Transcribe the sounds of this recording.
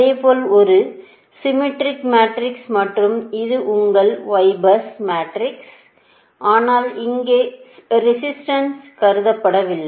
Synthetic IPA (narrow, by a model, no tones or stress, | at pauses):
eːpoːlɔɾɯ | sɪmɪʈɾɪkmaːʈɾɪksmɐʈrɯmɪðɯʔʊŋɡɐɭʋɐɪbɐsmaːʈɾɪks | ʔaːnaːlɪŋɡeːɾɪsɪsʈɐnskɐɾɯðɐpːɐɽɐʋɪlːɐ